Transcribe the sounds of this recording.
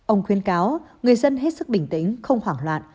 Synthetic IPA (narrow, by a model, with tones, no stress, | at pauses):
ʔə˧wŋ͡mkxwi˧˨˦ənkaː˨˦wŋɨ˨˩əjzə˧nɦe˦˥t̚sɨ˦˥k̚ɓï˧˩ŋ̟t̪i˧˦ŋ̟xə˧wŋ͡mhwaː˧˩ŋlwa̰ː˧˨n